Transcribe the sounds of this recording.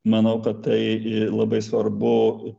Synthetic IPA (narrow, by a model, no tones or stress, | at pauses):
mɐnɐʊkɐt̪t̪ɐɪlˠɐbɐɪsʋɐrbʊ